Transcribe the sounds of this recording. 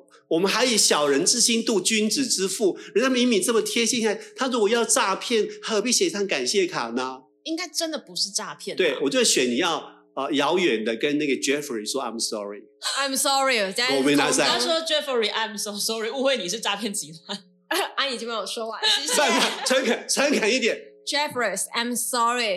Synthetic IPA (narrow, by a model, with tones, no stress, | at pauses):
wɔ˨˩mə˦nxa˧˥ɪji˨˩ɕjɑ˨˩ʊɻə˧˦nt͡sɻ̩˥ɕi˥nt̪u˥˩t͡ɕy˥nt͡s̩˨˩ʈ͡ʂɻ̩˥fu˥˩ɻə˧˦nʰa˥mi˧˦˥nmi˨˩t͡sə˥˩mə˨t̪ʰjɛ˥ɕi˥˧nɕa˥˩t̪ʰa˥ɔ˥˩wɔ˨˦jɑ˥˧ʊʈ͡ʂa˥˧pʰjɛ˥˩nha˥˩ə˧˩pi˥˩ɕɛ˨˩t̪ʰa˥ŋka˨˩nɕjɛ˥˩kʰa̰˨˩nɐ˦ | i˥ŋka˥ɪʈ͡ʂə˦nd̪ə˨pu˧˦ʂɻ̩˥˩ʈ͡ʂa˥˧pʰjɛ˥˨nt̪we˥˩ɪwɔ˨˩t͡ɕjo˥ʊʂ̩˥˩ɕɥɛ˨˦nni˨˩jɑ˥˨ʊ | ə˧jɑ˧˦˥ʊjɥɛ˨˩nd̪ə˦kə˦nna˥˩ɡə˩ʈ͡ʂɛ˦˥fə˨i˨ʂwɔ˦˥a˨˩ɪmsɔ̰˦˥ɹḭ˨˩a˨˩ɪmsɔ˦˥ɹi˨ɔ˨˩t͡ɕwɔ˨me˧˦ɪna˧˥˦t͡sa˥˩a˥ʂwɔ˥ʈ͡ʂɛ˦˥fə˨ɹi˨ʔa˨˧ɪmsɔ˧sɔ˦˥ɹi˨˩u˥˧xwe˥˩ɪni˨˩ʂɻ̩˥˧ʈ͡ʂa˥˧pʰjɛ˥˩nt͡ɕi˨˥t̪ʰa˥ | a˥ni˨˩t͡ɕo˥˩ma˥˩wɔ˨˩ʂɔ˥wa˨˩˧a˥˧kʰa˨˩t͡sʰə˧˥nkʰa˨˩˦nt͡sʰə˧˥nkʰa˨˩ni˥˩t̪̬jɛ˨˩˦nd͡ʒɛ˥fɹə˨˩sa˨˩ɪ̃msɑ˥ɹi˨